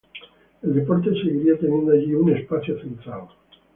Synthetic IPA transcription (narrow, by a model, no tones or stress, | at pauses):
eld̪epoɾt̪̬e̞seɣiɾiat̪enje̞nd̪oaʎiunespaθjofilt̪ɾal